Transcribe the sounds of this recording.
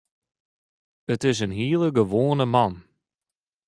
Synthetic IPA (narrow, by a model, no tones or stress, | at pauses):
ətɪs̬ənɦiəlˠəɡəʋoːənəmɑn